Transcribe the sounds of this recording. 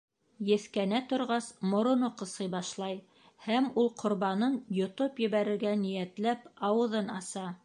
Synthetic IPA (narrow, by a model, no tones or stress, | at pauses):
jɘ̆θkænæt̪ŏɾʁɑsmŏɾŏnoqɤ̆sɤjbɑʃlˠɑj | hæmulˠqʰŏɾβɑnɤnjŏt̪opjɘ̆βæɾɘ̆ɾɡænijæt̪læpɑwɤ̆ðɤnɑsɑ